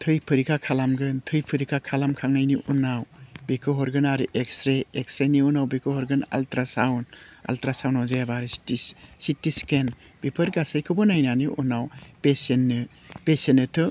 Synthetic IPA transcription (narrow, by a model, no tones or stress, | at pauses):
tʰɯjpʰɯɾikʰakʰalamɡɯntʰɯjpʰɯɾikʰakʰalamkʰaŋnajniʔunawbikʰɯɦɔɾɡɯnaɾiʔekstɾeekstɾeniunawbikʰɯhɔɾɡɯna̰ltɾasawna̰ltɾasawnawzajabaɾisi̥tisitisken | b̥ipʰɯɾɡasajkʰɯbɔnajnaniʔunawpesenːi | pesenːɯtʰɯ